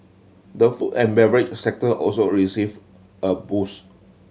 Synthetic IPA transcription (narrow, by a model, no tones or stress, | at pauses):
dəfutɛ̃nbɛvəɹɪt͡ʃsɛk̚təʔɔ̰lsoɹisiv | əbus